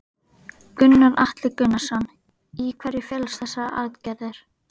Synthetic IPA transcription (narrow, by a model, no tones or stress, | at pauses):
kʏnːaɾʔaht̪lɪkʏnːasan | ikʰvɛɾjɪfjɛlsθɛsːaa̰ɾt̪cɛððɪɾ̥